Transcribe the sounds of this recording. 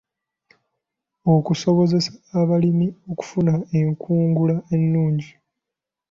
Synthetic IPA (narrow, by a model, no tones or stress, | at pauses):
o̞kuso̞βo̞ze̞saːβalimio̞ku̥funae̞ŋkʰuːŋɡulae̞nːuːɲɟi